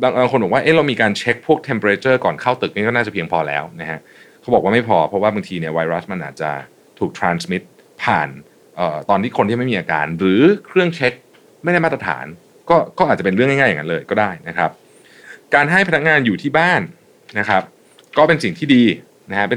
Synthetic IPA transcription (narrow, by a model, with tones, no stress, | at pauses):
baː˧ŋʔːkʰo˧nbɔ˨˩kwaː˥ʔe˦˥˩ɾa˧wmiː˧kaː˧nt͡ɕʰe˦˥k̚pʰu˥˩ək̚t̪ʰe˧mpo˧ɾeː˧˥t͡ɕɤː˥˩kɔː˨˩nkʰaː˥˩wt̪ɯ˨˩k̚ni˥˩kɔː˥naː˥˩t͡ɕa˨˩pʰi˧əŋpʰɔː˧lɛ̰ː˦˥wna˦˥kʰa˦˥ʔ | kʰa˦˥wbɔː˨˩k̚waː˥ma˥˩jpʰɔː˧pʰɾɔ˦˥waː˥˩baː˧ŋt̪ʰiː˧ni˥˩ɐwa˧jɾa˦˥sma˧nʔaː˨˩t̪̚t͡ɕa̰˨˩ | t̪ʰuː˨˩k̚t̪ʰɾaː˧nsmi˦˥t̪̚ | pʰaː˨˩n | ʔɤː˨˩t̪ɔː˧nt̪ʰiː˥˩kʰo˧nt̪ʰiː˥˩m˥˩i˧ʔaː˧ka̰ː˧nɾɯː˩˦kʰɾɯ˥˩əŋt͡ɕʰe˦˥k̚ | ma˥˩jɾa˥˩jmaː˥˩t̪ɾa˧t̪ʰa̰ː˩˦n | kɔː˥˩kɔː˥˩ʔaː˨˩t͡ɕpe˧nɾɯ˥˩ŋa˥˩jŋː˥˩ja˨˩ŋːa˦˥lɤː˧jkɔː˥˩daː˥˩jna˦˥kʰɾa˦˥p̚ | kaː˧nɦa˥˩jpʰa˧na˥k̚ŋaː˧njuː˨˩t̪ʰiː˥˩baː˥˩nː | a˦˥kʰɾa˦˥p̚ | kɔː˥˩pe˧nsi˨˩ŋt̪ʰiː˥˩diː˧ | na˦˥kʰa˦˥pe˧